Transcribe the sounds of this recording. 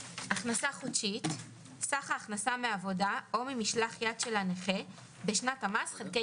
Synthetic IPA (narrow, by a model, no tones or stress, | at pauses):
ʔaχnasaχotʃit | saχaːχnasameavo̞dao̞mimiʃlaχjadʃe̞laneχe | beʃnatamasχelke